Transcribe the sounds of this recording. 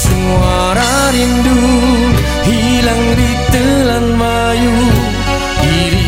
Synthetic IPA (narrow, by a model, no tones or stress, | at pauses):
səŋua | ɾa | ɾindu | hi | laŋɾit̪əlanba | ju | iɾi